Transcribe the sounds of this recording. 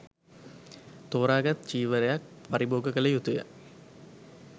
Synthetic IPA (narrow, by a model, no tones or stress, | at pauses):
t̪oːɾaːɡat̪t͡ʃiːʋəɾejak̚paɾiboːɡəkələjut̪ujə̰